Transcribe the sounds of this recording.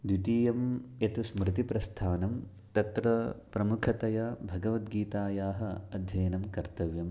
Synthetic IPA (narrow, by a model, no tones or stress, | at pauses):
d̪it̪iːjɐmet̪usmɾɪt̪̬ipɾɐst̪ʰaːnɐm | t̪ɐt̪ɾɐpɾɐmukʰɐt̪ɐjɐbʱɐɡɐʋɐt̪̚ɡiːt̪aːjaːɦɐɐd̪ʱjɐːnɐmkɐɾt̪ɐʋjɐm